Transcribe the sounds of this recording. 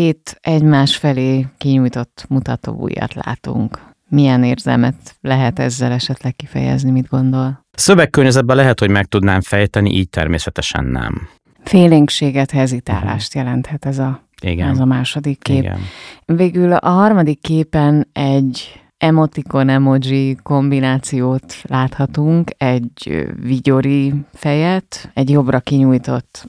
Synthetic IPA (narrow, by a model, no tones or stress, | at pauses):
heːt̪ɛɟmaːʃfɛleːkiɲujt̪o̞t̪ːmut̪ɒt̪o̰ːṵjɒ̰t̪la̰ːt̪ṵŋk | mijɛneːrzɛ̰lmɛt̪lɛɦɛt̪ɛzːɛlɛʃɛt̪lɛkːifɛ̰jɛ̰znimid̪ɡo̞nd̪o̞l | søvɛkːørɲøzɛd̪̚bɛlɛɦɛt̪ho̞ɟmɛk̚t̪ud̪naːɱfɛjt̪ɛnḭʔiːc̚t̪ɛ̰rmḛːsɛt̪ɛʃɛ̰nːɛ̰m | feːleːŋkʃeːɡɛt̪hɛzit̪a̰ːla̰ːʃt̪jɛlɛnt̪hɛt̪ɛzɒ | ḭɡɛɛzɒmaːʃo̞d̪ikːeːɡ̰nveːɡylɒ̰ɦɒrmɒd̪ikːeːpɛnɛɟ | ɛmo̞t̪iko̞nɛmod͡ʒiko̞mbinaːt̪sijoːt̪laːt̪hɒt̪uŋkɛɟviɟo̞ɾifɛjɛt̪ɛɟjo̞brɒkiɲuːjt̪o̞̰t̪ː